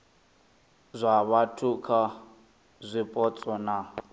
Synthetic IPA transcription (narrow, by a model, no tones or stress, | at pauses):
zʷaβatʰukʰa | zʷipʼɔt͡sʼɔna